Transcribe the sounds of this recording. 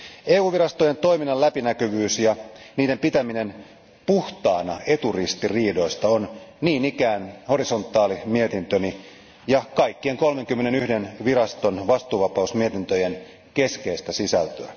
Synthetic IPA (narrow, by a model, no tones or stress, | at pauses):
eːuːʋirɑst̪o̞jent̪oiminːɑlæpinækøʋyːsjɑniːde̞mpit̪æminen | puht̪ɑːnɑe̞t̪urist̪iriːdo̞ist̪ɑonniːnikæːnho̞ɾiso̞nt̪ːˑɑːlimie̞t̪int̪øni | jɑkɑikːieŋko̞lme̞ŋkymːene̞nyhde̞nʋiɾɑst̪o̞nʋɑst̪uːʋɑpɑusmiet̪int̪øjen | ke̞skeist̪æsisælt̪øæ